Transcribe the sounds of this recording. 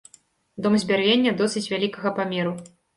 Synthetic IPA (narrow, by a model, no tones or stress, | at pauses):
d̪ɔmzʲbʲarvʲenʲːɐd̪ɔsɨt͡sʲvʲalʲikɐɣɐpamʲɛɾu